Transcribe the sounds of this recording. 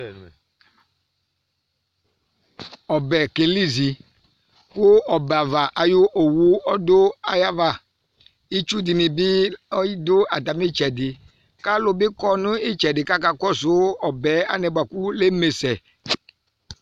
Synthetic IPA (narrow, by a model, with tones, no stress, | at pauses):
ɔ˨bɛ˨ke˨li˦zi˨ | kʊ˦ɔ˨ba˨va˨ʔa˨ju˦ʔo˨wu˦ɔ˦do˦a˨ja˦va˨ | i˦t͡ʃu˦di˨nĩ˨bi˦ɔ˦ji˦dʊ˦a˨da˨mi˦t͡ʃɛ˨dɪ˨ | ka˦lo˦bɪ˦kɔ˦nũ˦i˦t͡ʃɛ˨dɪ˨ka˦ka˦kɔ˦sʊ˨˦ɔ˨bɛ˨˦a̰˦nɛ˨ba˨ku˦le˦me˨sɛ˨